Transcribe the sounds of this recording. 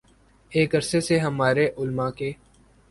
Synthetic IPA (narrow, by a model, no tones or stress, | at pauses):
eːkɐɾseseɦɐmaːɾeʔʊlmãkeː